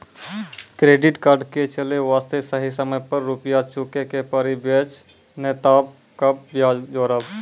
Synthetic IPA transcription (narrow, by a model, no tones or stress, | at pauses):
kɾeːɖɪʈkaːɾɖket͡ʃəleʋaːst̪esəɦisəməjpəɾːupijat͡ʃukekepəɾibet͡ʃ | net̪aːb̚ | kapbjad͡ʒoːɾəb